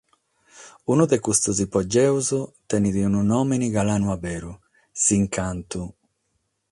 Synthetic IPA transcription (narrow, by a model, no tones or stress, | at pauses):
unuðɛkust̪uzipɔd͡ʒːɛuzut̪ɛniðiununɔːminiɣalaːnuabɛːɾu | siŋkant̪u